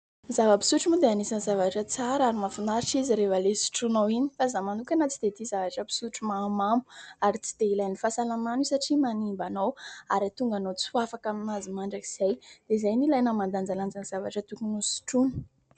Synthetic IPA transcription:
zavəpi̥suʈ͡ʂumud̪eanisanzavaʈ͡ʂət͡saɾaɾimafinaɾiʈ͡ʂiziɾevalesi̥ʈ͡ʂunawini̥fazamanukʲanat͡si̥d̪̥et̪izavaʈ͡ʂəpi̥suʈ͡ʂumamamu̥aɾit͡si̥d̪̥eilajnifasalamanisaʈ͡ʂimanimbanowaɾat̪uŋɡanot͡suafakaminazimaɳɖ͡ʐakiz̥ajd̪̥ezajnilajnamand̪and͡zaland͡zanz̥avaʈ͡ʂət̪ukunusi̥ʈ͡ʂunə̥

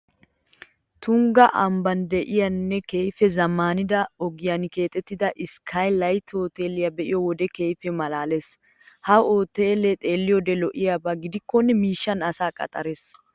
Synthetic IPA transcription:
t̪ʊŋɡɐʔɐmbɐnd̪ɛʔɪjɐnːɛkejfɛzɐmːaːnɪd̪ɐɔɡɪjɐnke̞ːt̪ʼːɛt̪ːɪd̪ɐʔɪskʰɐjlɐjt̪ʰoːt̪eːlɪjɐbɛʔɪjɔwɔd̪ɛkejfɛmɐlaːles | hɐoːt̪eːlet̪ʼe̞ːlːɪjɔd̪ɛlɔʔɪjabaɡɪd̪ɪkːɔnːɛmiːʃːɐnɐsaːkʼɐ̰t̪ʼɐɾes

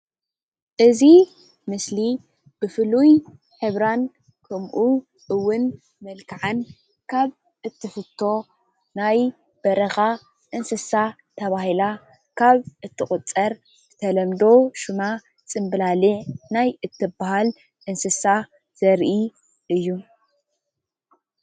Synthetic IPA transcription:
ʔɨzi | mɨsli | b̥ɨfɨluj | ħɨβɾan | kʰɐmʔu | ʔɨwːʊn | mɐlkʰaʕan | kʰaβ | ʔɨt̪ʰːɨfɨt̪ʰːo̞ | naj | b̥ɐɾɐxa | ʔɨnsɨsa | t̪ʰɐβahila | kʰaβʔɨt̪ʰːɨχʼʊt͡sʼːɐɾ | bɨt̪ʰɐlɐmd̪o̞ʃuma | t͡sʼɨmbɨlaliʕnajɨt̪ʰːɨbaɦal | ʔɨnsɨsa | z̥ɐɾʔi | ʔɨjːu

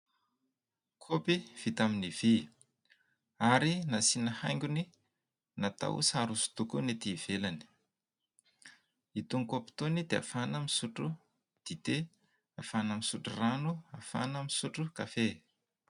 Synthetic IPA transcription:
kʰopiv̥it̪aminiv̥i | aɾinasinəhajŋɡʲuni | nat̪a̰wṵsaɾusu̥t̪ukunet̪iːv̥elani̥ | it̪uŋkopi̥t̪onid̪ea̰fanəmisuʈ͡ʂu | d̪̥it̪e | afanamisuʈ͡ʂuranuafa̰nəmisuʈ͡ʂukafe

